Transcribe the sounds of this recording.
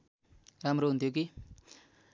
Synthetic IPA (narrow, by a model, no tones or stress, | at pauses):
ramɾount̪jok̬i